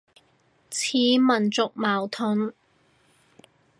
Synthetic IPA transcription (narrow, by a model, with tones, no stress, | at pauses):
t͡sʰiː˨˥mɐ˨˩nt͡sʊ˨k̚maː˨˩wt̪ʰʊ˨˥ŋ